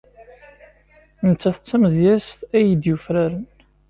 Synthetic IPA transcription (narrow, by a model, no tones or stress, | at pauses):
nət͡sːæθə̥t͡sːæmðjæst̪æjəd̪jufɾæɾən